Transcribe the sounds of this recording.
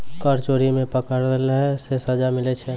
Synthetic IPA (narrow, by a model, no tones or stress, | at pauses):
kəɾt͡ʃoɾimẽpəkəɾdelɦɛsesəd͡ʒamilɛt͡ʃʰɛ